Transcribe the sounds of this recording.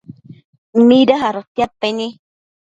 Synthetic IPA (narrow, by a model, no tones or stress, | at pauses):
m̩midaɦaɾət̪apːeni